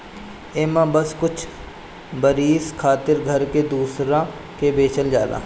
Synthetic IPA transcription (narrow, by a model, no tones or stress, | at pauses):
eːmãːbəskʊt͡ʃʰ | bəɾiːskʰaːt̪ɪɾɡʱəɾked̪uːsɾãː | kebeːt͡ʃəld͡ʒaːla̰ː